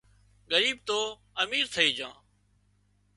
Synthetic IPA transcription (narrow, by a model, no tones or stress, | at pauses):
ɠəɾiːb̚t̪oː | əmiːɾt̪ʰəiːd͡ʒãː